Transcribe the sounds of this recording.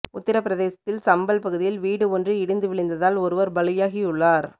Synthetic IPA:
ʊt̪ːɪɾɐpːɪɾɐðeːsɐt̪ːɪlsɐmbɐlpɐɣɯðɪjɪlʋiːɽɯɔndrɯɪɽɯnd̪ɯʋɪɭɪnd̪ɐðaːlɔɾɯʋɐɾbɐɭɪjaːɣiʊɭːaːɾ

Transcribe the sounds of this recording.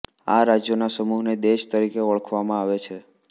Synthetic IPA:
a̰ɾad͡ʒjonasəmuɦned̪eʃt̪əɾikeəɭəkʰʋamãaʋet͡ʃʰe

